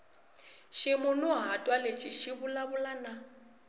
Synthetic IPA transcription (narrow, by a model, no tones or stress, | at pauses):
ʃɪmʊnʊɦatʼwalet͡ʃʰʼɪʃɪbʊlabʊlana